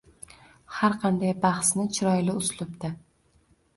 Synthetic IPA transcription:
haɾqʰɑnd̪ajbɑχsnɪt͡ʃʰɪɾɒjlɪʊslˠʊpd̪ɪ

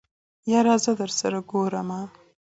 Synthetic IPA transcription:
jɑɾɑzəd̪əɾsaɾaɡoɾama

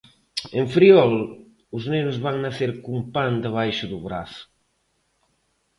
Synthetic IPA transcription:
eɱfɾiɔl | ʊznenʊzβaŋnaθeɾkumpand̪aβ̞ajʃʊðʊβɾaθʊ̥

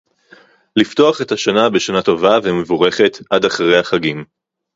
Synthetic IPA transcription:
lifto̞aχetaʃanabe̞ʃanato̞vavemevuʁe̞χe̞t̪ʔadaχʁejaχaɡim

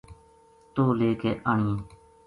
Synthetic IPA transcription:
t̪oːleːkeːʔaːɳiː

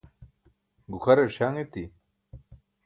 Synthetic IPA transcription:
ɡuxɐɾeɕaŋet̪i

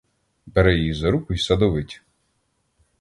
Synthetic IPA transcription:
beɾɛjizɐɾukʊjsɐd̪ɔʋɪtʲ

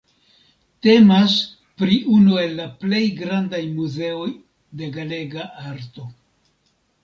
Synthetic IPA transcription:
te̞mas | pɾiʔunue̞lːaple̞jɡɾandajmuze̞o̞j | de̞ɡale̞ɡaʔaɾto̞

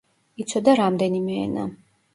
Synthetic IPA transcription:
it̪sʰɔd̪aɾamd̪ɛnimɛ̰ːna̰

